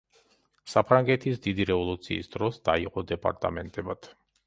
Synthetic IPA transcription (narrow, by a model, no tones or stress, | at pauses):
sapʰɾaŋɡɛt̪ʰisd̪id̪iɾɛvɔlˠut̪sʰḭːsd̪ɾɔsd̪̥aiqʼɔd̪ɛpʼa̰ɾt̪ʼa̰mɛnt̪ʼɛbat̪ʰ